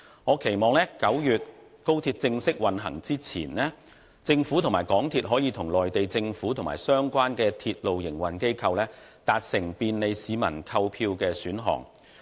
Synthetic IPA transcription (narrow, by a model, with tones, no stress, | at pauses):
ŋɔː˨˧kʰe˨˩jmɔː˨˧ŋlɛː˥kɐ˨˥wjyː˨t̚ | ko˥wt̪ʰiː˧t̚t͡sɪ˧ŋsɪ˥k̚wɐ˨nɦɐ˨˩ŋt͡siː˥t͡sʰḭː˨˩nlɛː˥ | t͡sɪ˧ŋfuː˨˥t̪ʰʊ˨˩maː˨˩jkɔː˨˥ŋt̪ʰiː˧t̚ɦɔː˨˥jiː˨˧t̪ʰʊ˨˩ŋlɔː˨jt̪e˨jt͡sɪ˧ŋfuː˨˥t̪ʰʊ˨˩ŋma̰ː˨˩jsœː˥ŋkʷaː˥nkɛː˧t̪ʰiː˧t̚lo˨wjɪ˨˩ŋwɐ˨˩nke˥jkʰɐ˧wlɛː˥ | t̪aː˧t̚sɪ˨˩ŋpiː˧nle˨˧jsiː˨˧mɐ̰˨˩nkʰɐ˧wpʰiː˧wkɛː˧syː˨˥nɦɔ̰ː˨˩ŋ